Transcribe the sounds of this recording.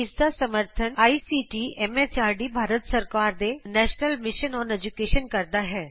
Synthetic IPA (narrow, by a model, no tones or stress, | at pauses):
ɪsd̪asɐməɾt̪ʰənaːisiːʈiɛmet͡ʃaːɾɖibʱaːɾət̪səɾkaːɾd̪enɛːʃnəlmɪʃənɔːned͡ʒukeːʃənkɐɾd̪aɦɛː